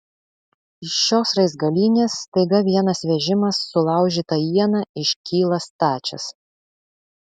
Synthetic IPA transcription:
ɪʃʃoːsɾɐɪsɡɐlʲiːnʲeːsːt̪ɐɪɡɐʋʲiɛnɐsʋʲɛʒʲɪmɐsːʊlˠɑˑʊʒʲiːt̪ɐjiɛnɐɪʃʲkʲiːlˠɐst̪ɑːt͡ʃʲɛ̰s

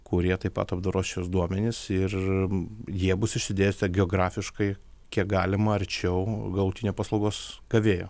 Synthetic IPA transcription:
kʊɾʲiɛt̪ɐɪpɐ̰t̪ɐbd̪ɐɾoːsʃʲosd̪uɔmʲɛnʲɪsɪr | jiɛbʊsɪʃsʲɪd̪ʲeːsʲt̪ʲɛɡʲɛoːɡɾɑːfʲɪʃkɐɪ | kʲiɛk̚ɡɑːlʲɪmɐɐɾʲt͡ʃʲɛʊɡɐlˠʊt̪ʲinʲoːpɐːslˠɐʊɡoːsɡ̥ɐʋʲeːjo̰ː

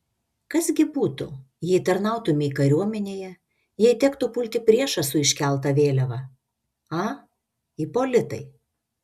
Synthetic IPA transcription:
kɐsɡʲɪbuːt̪ʊ | jɛɪt̪ɐɾnɑˑʊt̪ʊmʲɪkɐɾʲuɔmʲɛnʲeːjɛ | jiɛɪt̪ʲɛkt̪ʊpʊlʲt̪ʲɪpʲɾʲiɛʃɐsʊɪʃʲkʲɛlˠt̪̬ɐʋʲeːlʲɛʋɐ | ɑː | ipoːlʲɪt̪ɐ̰ɪ

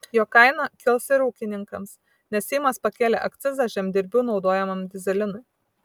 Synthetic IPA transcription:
joːkɐɪnɐkʲɪlˠsɪɾuːkʲɪnʲɪŋkɐms | nʲɛssʲɛɪmɐspɐkʲeːlʲḛʔɐkt̪sʲɪzɑʒʲɛmʲd̪ʲɪɾʲbʲuːnɒʊd̪oːjɛmɐmd̪ʲɪzʲɛlʲɪnʊɪ

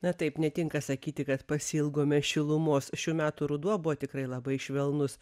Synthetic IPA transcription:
nɐt̪ɐɪpnʲɛt̪ʲɪŋkɐsɐkʲiːt̪ʲɪkɐt̪pɐsʲiɪlˠɡoːmʲɛʃʲɪlˠʊmoːsʃʲuːmʲæːt̪uɾʊd̪uɔbʊʋoːt̪ʲɪkɾɐɪlˠɐbɐɪʃʲʋʲɛlˠnʊs

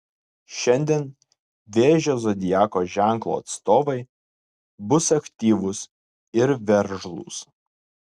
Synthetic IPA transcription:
ʃʲɛnʲd̪ʲeɛn | ʋʲeːʒʲoːzɔd̪ʲɪjæːkoːʒʲæˑŋklˠo̰ɐ̰t̪st̪oːʋɐɪ | bʊsɐkʲt̪ʲiːʋʊs | ɪɾʋʲɛɾʒlˠṵːs

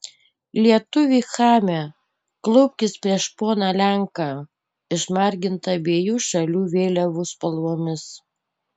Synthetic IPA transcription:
lʲiɛt̪ʊʋʲiːxɑːmʲe | klˠɔʊpʲkʲɪspʲɾʲiɛʃpoːnɑlʲæŋkɑ | ɪʃmɑˑɾʲɡʲɪnt̪ɐbʲeɛjuːʃɐlʲuːʋʲeːlʲɛʋʊspɐlˠuɔmʲɪs

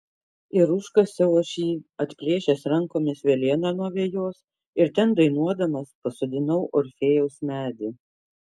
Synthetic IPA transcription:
ɪɾʊʃkɐsʲɛʊoːʃʲiːɐt̪ʲpʲɾʲiːʃʲɛsɾɐŋkoːmʲɪsʋʲelʲiɛnɑnuɔʋʲeɛjoːs | ɪɾt̪ʲɛnd̪ɐɪnuɔd̪ɐmɐspɐsɔd̪ʲɪnɐʊʔɔɾʲfʲeːjɛʊsmʲæːd̪ʲɪ

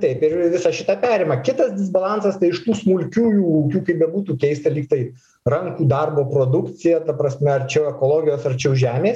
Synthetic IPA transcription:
t̪ɐɪpɪrʋʲɪsɐʃʲɪt̪ɐpʲæːɾʲeːmɐkʲɪt̪ɐsd̪ʲɪs̬bɐlˠɑnsɐst̪ɐɪɪʃt̪uːsmʊlʲkʲuːjuːʊkʲuːkɐɪp̚bʲɛbuːt̪uːkʲɛɪsʲt̪ʲɐlʲiːkt̪ɐɪ | ɾɐŋkuːd̪ɐrboːpɾoːd̪ʊkt͡s̪ʲɪjɛt̪ɐpɾɐsʲmʲɛɐrt͡ʃʲɛɛkoːlˠoːɡʲɪjoːsɐrt͡ʃʲɛɛʊʒʲæːmʲeːs

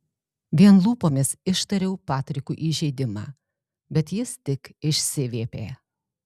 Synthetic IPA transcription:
ʋʲiɛnlˠuːpoːmʲɪsɪʃt̪ɐɾʲɛʊpɑːt̪ʲɾʲɪkuːʔiːʒʲɛɪd̪ʲɪmɑ̰ː | bʲɛt̪jɪst̪ʲɪkɪʃʲsʲɪʋʲeːpʲeː

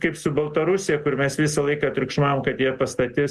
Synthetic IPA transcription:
kɐɪpsʊbɐlˠt̪ɐɾʊsʲɪjɛkʊɾmʲɛsʋʲɪsɐlˠɐɪkɑːɐt̪ʲɾʲʊkʃmɑːʋoːmkɐt̪jiɛpɐst̪ɐt̪ʲɪs

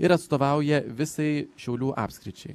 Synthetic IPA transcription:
ɪɾɐt̪st̪oːʋɑˑʊjɛʋʲɪsɐɪʃʲɛʊlʲuːʔɑ̰ːpʲsʲkɾʲɪt͡ʃʲɛɪ

